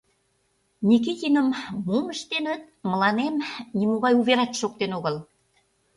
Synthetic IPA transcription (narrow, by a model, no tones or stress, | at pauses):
nʲik̬it̪ʲinəmːuməʃt̪enə̆t̪̚ | mə̆lɑnemnimoɣɑjuβeɾɑt̪ʃok̚t̪enoɣə̆l